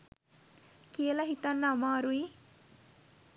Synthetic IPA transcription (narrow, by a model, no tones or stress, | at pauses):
kielaɦit̪anːaːmaːɾui